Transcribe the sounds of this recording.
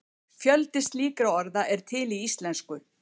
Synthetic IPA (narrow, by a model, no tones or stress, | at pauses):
fjœlt̪ɪst̪liːkɾaɔɾðaʔɛɾ̥t̪ʰɪliist̪lɛnskʏ